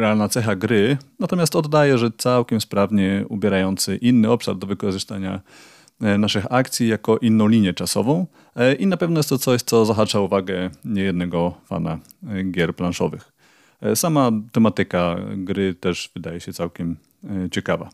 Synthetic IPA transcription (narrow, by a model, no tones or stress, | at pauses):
ɾɛalnat̪sɛxaɡɾɘnat̪ɔmʲjast̪ɔd̪ːajɛʐɛt̪sawkʲɛmspɾavɲɛubʲjɛɾajɔnt̪sɘʔinːɘɔpʂa̰ɾd̪ɔvɘkɔʐɨst̪aɲa | naʂɘxakt̪sʲjijakɔʔinːɔ̃w̃lʲiɲjɛt͡ʂasɔ̰vɔ̃w̃ | ʔinapɛvnɔjɛst̪ɔt̪sɔɕt̪sɔzaɦat͡ʂauvaɡɛɲɛjɛd̪nɛɡɔfa̰na̰ | ɡʲjɛɾplanʂɔvɘ̰x | samat̪ɛmat̪ɘkaɡɾɘt̪ɛʐv̥ɘd̪ajɛɕɛt̪sawkʲɛm | t͡ɕɛkava̰